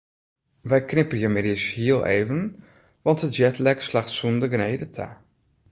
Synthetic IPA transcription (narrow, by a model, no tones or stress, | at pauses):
ʋɛjknɪpənjəmɪdishiəlˠʔeːvən | ʋɑntətd͡ʒɛtlɛkslaxtsundəɡnejdətʰa̰